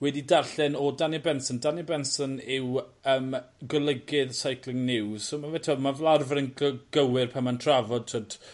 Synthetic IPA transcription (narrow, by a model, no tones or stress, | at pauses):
wɛdidarɬɪnɔdanɛbɛnsɔndanəbɛnsɔnɪwəːm | ɡɔlˠəɡɪðsajkʰlˠɪŋnɪwsomavɛtʰɔmavlˠarvəɾənɡ̥əwɪrpʰamantʰravɔd̚tʰotʰ